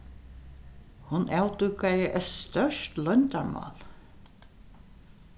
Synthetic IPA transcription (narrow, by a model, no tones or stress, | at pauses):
hʊnʔawt̪ʉkajəʔœt̪st̪œʂt̪lœnt̪aɹmɑ̰ːl